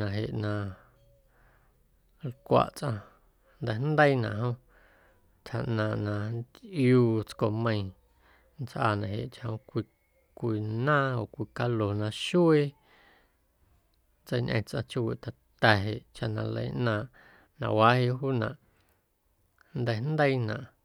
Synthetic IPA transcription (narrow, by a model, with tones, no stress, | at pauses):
nã˨ɦe˨ʔnã˧ | lkʷa̰˧˨ʔt͡sʔã˧ | nd̪ɛ˧nd̪ə˦i˦nã̰˨ʔɦõ˦ | t̪ʰha˨ʔnãː˧˨ʔnã˧nd̪ʔjuː˧t͡sko˧˨mə̃˧ĩ˧ | nt͡sʔa̰ː˧nã˨ɦḛ˨ʔt͡ʃa˧hõ˧kʷi˧ | kʷi˧nãː˦o˨kʷi˧ka˧lo˨nã˧ʃu˦e˦ | nt͡sə˧jɲʔə̰̃˧t͡sʔã̰˧t͡ʃu˧wḭ˨t̪a˨t̪ɛ˨ɦe˨ʔt͡ʃa˧nã˧lə̰˧˨˦ʔnãː˧˨ʔ | nã˧˨wa˦he˧ʔɦuː˦nã˨ʔ | nd̪ɛ˧hn̩d̪ə˦i˦nã̰˨ʔ